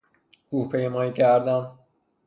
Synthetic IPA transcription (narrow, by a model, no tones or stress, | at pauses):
kʰuhpʰejemɒːiːcʰæɾd̪æn